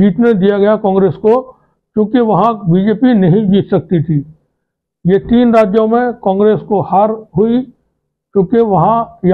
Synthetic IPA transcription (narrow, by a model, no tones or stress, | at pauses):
d͡ʒiːt̪ned̪ijaɡɐjakɔ̃ːŋɡɾeːsko | kjõːkeʋɐɦãbiːd͡ʒeːpinɐɦĩd͡ʒiːt̪ʰsɐk̚t̪it̪ʰiː | jet̪iːnɾaːd͡ʒjõmẽkɔ̃ːŋɡɾeːskohaːɾɦʊi | kjõːkeʋɐɦãj